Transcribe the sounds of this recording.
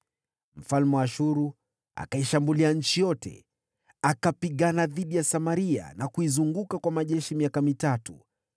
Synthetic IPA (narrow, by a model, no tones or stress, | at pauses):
m̩falmɛwaʃuɾu | a̰kaiʃambuliaɲ̩t͡ʃijɔtɛ̰ | akapiɠanaðiɗijasamaɾia̰nakuizuŋɡukakwamaʄɛʃimiakamitatu